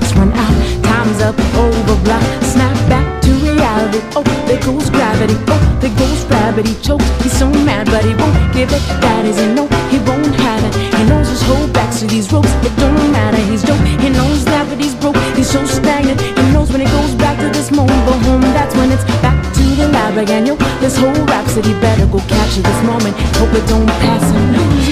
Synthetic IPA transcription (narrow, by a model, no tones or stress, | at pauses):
swʌ̃naʊɾtʰãɪ̃mzʌpʔoʊvə˞blaksnæp̚b̥æk̚tʰɨɹiælˠəɾioʊɨt̚ɡ̥oʊzɡɹævɨɾioʊɨt̚ɡ̥oʊzɡɹævɨɾ̚it͡ʃʰoʊkhiz̥sõʊ̃nmædbʌt̚hiwõʊ̃nɡ̥ɪvɨt̪̚ð̥æɾɪzɨ̃nːoʊhiwõʊ̃nt̚hævɨ̃nhinoʊizd͡ʒʌst̚hoʊlˠd̚bæk̚tʰɨðizɹoʊpsɨt̚d̥ʌ̃nomæɾə˞izdoʊk̚hinoʊznawɨɾ̚izɹoʊkhiz̥soʊstæ̃ŋdɨ̃tɨ̃noʊzwɨ̃ñɨt̚ɡ̥oʊzbæk̚tʰɨðɪsmõʊ̃mə̃ntfə˞ɦõʊ̃mðætswə̃nɨtsb̥æk̚tʰɨðɨlæbɹɨkɨ̃noʊðɪshoʊlˠɹæpsɨt̚hibɛɾə˞ɡoʊkʰæt͡ʃɨðɪsmõʊ̃mɨ̃nthoʊpɨt̚d̥õʊ̃npʰeɪsɪ̃m